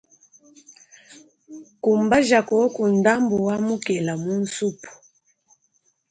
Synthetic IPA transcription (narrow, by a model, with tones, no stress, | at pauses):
ku˨mba˦ʒa˨kɔ˨˦ku˨nda˦mbu˨wa˦mu˦kɛ˨la˨mu˦n̩˦su˦pu̥˨